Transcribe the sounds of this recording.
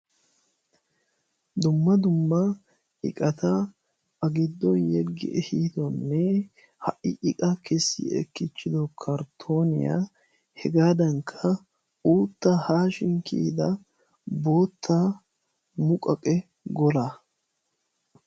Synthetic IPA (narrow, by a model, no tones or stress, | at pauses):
d̪ʊmːɐd̪ʊmːɐ | ʔɪ̰kʼɐt̪ɐ | ɐɡɪd̪ːɔnjɛɡːɪ̰ʔɛhiːd̪ɔnːɛ | hɐʔɪʔɪkʼɐkɛsːɪ̰ɛ̰kːɪt͡ʃːɪd̪ɔkʰɐɾt̪ʰoːnɪ̰ja̰ː | hɛɡaːd̪ɐŋkʰːɐ | uːt̪ːahaːʃɪŋkʰḭːd̪ɐ | bo̞ːt̪ʰːa | mʊkʼɐkʼɛ | ɡɔɾa